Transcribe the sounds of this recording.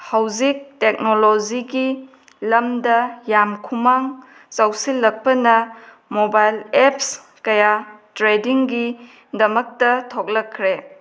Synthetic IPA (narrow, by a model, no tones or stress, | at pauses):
hawzik̚tek̚noloziɡi | lɐmdɐjamkʰumaŋ | t͡ʃawsilːɐk̚pɐnɐ | mobajleps | kɐjatɾediŋɡi | dɐmɐk̚tɐtʰok̚lɐkʰːɾe